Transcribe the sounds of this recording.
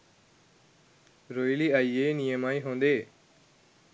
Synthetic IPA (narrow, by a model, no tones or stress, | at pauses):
ɾoːiliːaːiːeːnijəmaːĩːɦõːnd̪eː